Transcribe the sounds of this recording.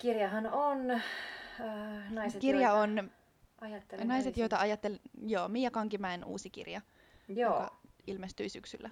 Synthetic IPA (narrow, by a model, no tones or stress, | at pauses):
kirjɑɦɑnon | nɑisetkirjɑon | ɑjɑt̪ːelnɑjset̪jojt̪ɑɑjɑt̪ːeljoːmijɑkɑŋkimæenṵːsikḭrjɑ | jookɑilmest̪yisyksylːæ